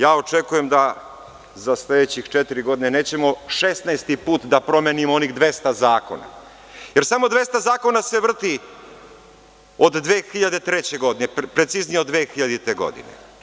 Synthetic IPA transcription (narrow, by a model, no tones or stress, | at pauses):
jaːo̞t͡ʃekuje̞md̪a | zasled̪et͡ɕixt͡ʃet̪iɾiɡo̞d̪ine̞ne̞ːt͡ɕe̞mo̞ʃesnaest̪ipuːt̪d̪apɾo̞menimooniɣd̪ʋe̞st̪azaːko̞̰na̰ | je̞ɾsamo̞d̪ʋe̞st̪azaːko̞nase̞ʋr̩t̪i | od̪ːʋeːxiʎad̪et̪ɾet͡ɕe̞ɡo̞d̪inepɾe̞t̪siznijeod̪ʋeːxiʎad̪it̪eɡo̞̰d̪ḭnḛ